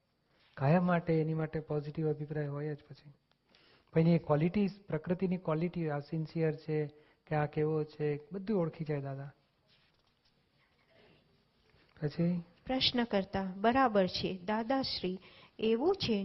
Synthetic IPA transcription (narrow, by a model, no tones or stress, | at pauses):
kajəmaʈeːnimaʈepɔziʈiʋəbʱipɾajɦojed͡ʒpət͡ʃʰi | pənikʋɔliʈipɾəkɾət̪inikʋɔliʈiasinsijəɾt͡ʃʰe | keakeʋot͡ʃʰebəd̪ʱːũoɽkʰid͡ʒajd̪ad̪a | pət͡ʃʰi | pɾəʃnəkəɾt̪abəɾabəɾt͡ʃʰed̪ad̪aʃɾieʋũt͡ʃʰe